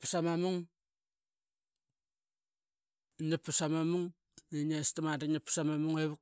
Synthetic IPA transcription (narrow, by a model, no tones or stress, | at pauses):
pusamamuŋ | napːusamamuŋ | eɲastamadanapːsamamuŋeβuk